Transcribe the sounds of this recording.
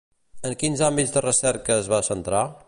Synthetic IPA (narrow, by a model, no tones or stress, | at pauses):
əŋkinzambizðərəsɛɾkəːzβasənt̪ɾa